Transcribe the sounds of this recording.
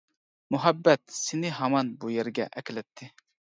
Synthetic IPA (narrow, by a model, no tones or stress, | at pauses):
muɦɛbːɛt̪sɪnɪɦɑmɑnbujɛɾɡʲɛ̰ʔɛkʲlɛt̪ʰːɪ